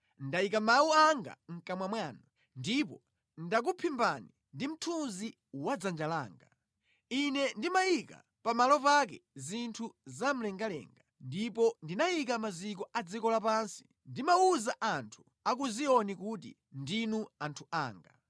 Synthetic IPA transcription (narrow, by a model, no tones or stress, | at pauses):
ndaikamawuaŋɡa̰ŋ̩kamwamwaːnu | ndipɔ | ndak̬upʰimbani | ndim̩tʰunzi | wad͡zand͡ʒala̰ːŋɡa | inɛndimaika̰ | pamalɔpakɛ̰zintʰuzam̩lɛŋɡalɛ̰ːŋɡandipɔndinajik̬amazik̬ɔad͡zikɔlapansi̥ | ndimauzaʔantʰu̥ | ak̬uziɔnik̬utḭ | ndinuantʰua̰ːŋɡa